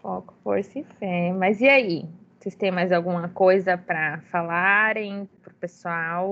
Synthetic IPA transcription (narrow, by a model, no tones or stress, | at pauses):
pokʊfo̰ɾsɪfemɐziaisest̪ẽj̃majzawɡũmɐkojzɐpɾɐfalaɾẽj̃pɾʊpesuaw